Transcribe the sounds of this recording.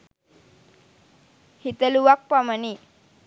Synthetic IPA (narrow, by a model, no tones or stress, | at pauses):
hit̪əluʋak̚paməni